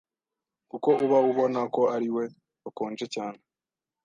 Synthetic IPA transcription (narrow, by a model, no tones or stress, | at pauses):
kuko̞uβauβo̞nako̞aɾiwe̞ | akoːnd͡ʒe̞caːne